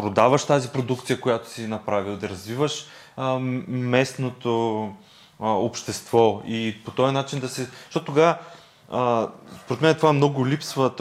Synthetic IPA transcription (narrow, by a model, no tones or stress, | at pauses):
pɾod̪avɐʃt̪azipɾod̪ukt̪sijəkojat̪o̥sinɐpɾavilˠd̪ɐɾɐzvivəʃ | mɛsnot̪o | opʃt̪ɛst̪vɔipot̪ɔjnat͡ʃind̪ɐsɛʃt̪ɔt̪ot̪oɡa | spoɾɛt̪mɛnɛt̪ovamnɔɡʊlʲipsvə